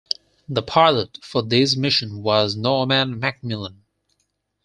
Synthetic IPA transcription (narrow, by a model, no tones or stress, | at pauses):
ðəpʰɑɹlˠətfə˞ðɪzmɪʃɨ̃nwʌznɔmæ̃nmæk̚mɪlˠə̃n